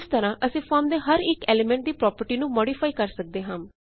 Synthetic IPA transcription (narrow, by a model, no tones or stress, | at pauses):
st̪əɾãːʔəsĩːpʰɔːɾmd̪eːɦəɾɪkɛːleːmɛ̃ɳʈ̚d̪iːpɾɔːpəɾʈiːnũːmɔːɖiːpʰaːikəɾsək̚d̪eːɦãːm